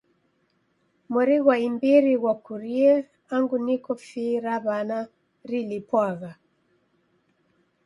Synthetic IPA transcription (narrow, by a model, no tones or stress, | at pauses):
mɔɾiɣwaimbiɾiɣwakuɾiɛ | aŋɡunikɔfiɾaβana | ɾilipwaɣa